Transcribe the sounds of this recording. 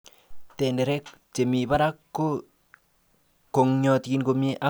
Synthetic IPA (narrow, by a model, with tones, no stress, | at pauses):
tɛ˨ndɛ˨ɾɛ˦kt͡ʃe˨mi˨ba˦ɾa˦kːo˦ | ko˨ŋɲɔ˨ti˦nko˨mje˦ʔa˦